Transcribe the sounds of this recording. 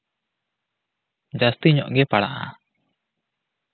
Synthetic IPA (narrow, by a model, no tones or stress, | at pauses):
d͡ʒast̪iɲɔ̰ʔɡɛpaɽa̰ʔa̰